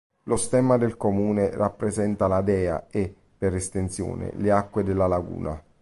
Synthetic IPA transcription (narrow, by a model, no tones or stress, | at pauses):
lost̪ɛmad̪elkomuːnerapːɾezɛnt̪alad̪ɛːa̰e | pːeɾɛst̪ent̪sjo̰ːnɪ̰leakːwed̪elːalaɡṵːna̰